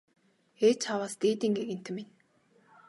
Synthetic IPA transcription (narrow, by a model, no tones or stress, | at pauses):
et͡ɕχawaːst̪eːt̪iːŋɡeɣɘ̆n̥t̪ʰɘ̆min